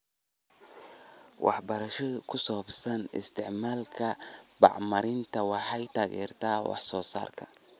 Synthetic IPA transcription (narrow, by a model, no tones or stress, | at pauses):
wʔɑ̰ħbɐɾɐʃɔkʰʊsɔːbsɐnɪ̰st̪ʰɪʕmaːlkʰɐbɑ̰ʕmɐɾɪnt̪ʰɐwɑħɑjt̪ʰaːɣɛ̰ːrt̪ʰaːwɑ̰ħsɔːsa̰ːrkʰɐ